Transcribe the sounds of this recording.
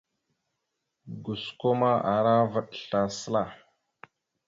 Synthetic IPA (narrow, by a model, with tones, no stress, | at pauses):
ɡu˨sko˦ma˦a˨ɾa˦və˨ɗɬa˨sə˦la˨